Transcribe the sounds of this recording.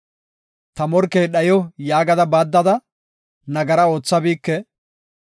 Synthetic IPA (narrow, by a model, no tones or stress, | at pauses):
t̪ɐmɔɾkeːɗɐjɔjaːɡɐd̪ɐbaːd̪ːɐd̪ɐ | nɐɡɐɾɐo̞ːt͡sːɐbiːkːɛ